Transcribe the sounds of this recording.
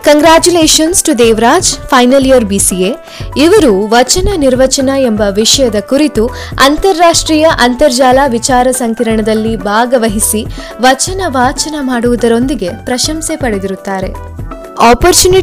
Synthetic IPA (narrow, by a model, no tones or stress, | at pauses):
kɐŋɡɾaːt͡ʃuleːʃɐnsʈud̪eːʋɾaːd͡ʒpʰɐjnɐlijɐɾbisie | iʋɐɾuʋɐt͡ʃɐnɐniɾʋɐt͡ʃɐnɐe̞mbɐʋiʂɐjɐd̪ɐkuɾit̪u | ɐnt̪ɐɾːaːʂʈɾiːjɐʔɐnt̪ɐɾd͡ʒaːlaːʋit͡ʃaːɾɐsɐŋkiɾɐɳɐd̪ɐlːibʱaːɡɐʋɐɦisi | ʋɐt͡ʃɐnɐʋaːt͡ʃɐnɐmaːɽuʋud̪ɐɾo̞nd̪iɡe̞pɾɐʃɐmsepɐɽe̞d̪iɾut̪ːaːɾe̞̰ | aːpoɾt͡ʃuːni